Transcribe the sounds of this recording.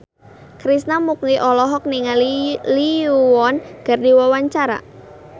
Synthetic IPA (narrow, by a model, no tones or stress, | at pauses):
kɾisnamuk̚niʔɔlɔɦɔk̚niŋaliuwɔnɡ̥a̤rdi̤wawaɲt͡ʃaɾa̰